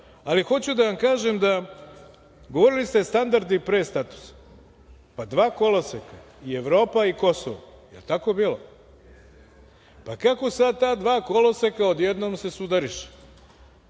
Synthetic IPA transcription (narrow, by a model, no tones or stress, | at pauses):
alixo̞t͡ɕud̪aʋamkaːʒemd̪a | ɡoʋo̞ɾilist̪est̪and̪aɾd̪ipɾeːst̪at̪u̥sḁ | pad̪ʋaːko̞lˠoseka | ie̞ʋɾo̞ːpaiko̞so̰ʋo̰jelt̪akobiːlo | pakako̞sad̪̚t̪aːd̪ʋaːkolosekao̞d̪jed̪noːmse̞sud̪aɾiʃe̥